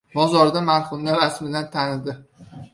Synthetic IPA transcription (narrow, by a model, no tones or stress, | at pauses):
bɒzɒɾd̪amaɾχʊmnaɾasmɪd̪ant̪ʰanɪd̪ɪ